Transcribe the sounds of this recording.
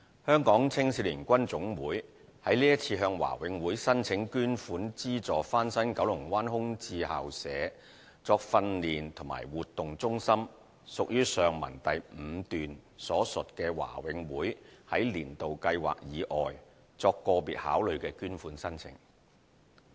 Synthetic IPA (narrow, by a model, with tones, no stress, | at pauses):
hœː˥ŋkɔː˨˥ŋt͡sʰɪ˥ŋsi˧˥liː˨˩nkʷɐ˥nt͡sʊ˨˥ŋwuː˨˥j | hɐ˨˥jliː˥jɐ˥t̚t͡sʰiː˧ɦœː˧ŋwa̰ː˨˩wɪ˨˧ŋwuː˨˥jsɐ˥nt͡sʰɪ˨˥ŋkyː˥nfuː˨˥nt͡siː˥t͡sɔː˨faː˥nsɐ˥nkɐ˨˥wlʊ˨˩ŋwaː˥nɦʊ˥ŋt͡siː˧ha̰ː˨wsɛː˨˧˦ | t͡sɔː˧k̚fɐ˧nliː˨nt̪ʰʊ˨˩ma̰ː˨˩jwuː˨t̪ːʊ˨ŋt͡sʊ˥ŋsɐ˥m | sʊ˨k̚jyː˥sœː˨ŋmɐ̰˨˩nt̪ɐ˨jm̩ː˨˧˦t̪yː˨nsɔː˨˥sɵ˨t̚kɛː˧wa̰ː˨˩wɪ˨˧ŋwuː˨˥jhɐ˨˥jliː˨˩nt̪o˨wkɐ˧jwa̰ː˨k̚jiː˨˧˥ʔɔː˨j | t͡sɔː˧kːɔː˧piː˨t̚ha̰ː˨˥wlɵ˨˧ɥkɛː˧kyː˥nfuː˨˥nsɐ˥nt͡sʰɪ̰˨˥ŋ